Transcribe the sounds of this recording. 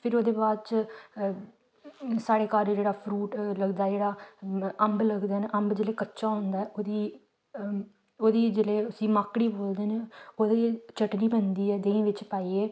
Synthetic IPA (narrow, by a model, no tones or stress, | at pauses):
pʰɪɾoːd̪eːbaːd̪t͡ʃ | saːɽeːkaːɾd͡ʒeːɽaːpʰɾuːʈləɡd̪aːd͡ʒeːɽaːəmbləɡd̪eːneʔəmbd͡ʒeːleːkətːʃaːɦʊ̃nd̪aːɛːoːd̪iː | oːd̪iːd͡ʒeːleːʊsĩːmaːkɽiːboːld̪eːneːoːd̪eːt͡ʃʰəʈniːpɛ̃nd̪iːɛːd̪ẽːĩːʋɪt͡ʃpaːieː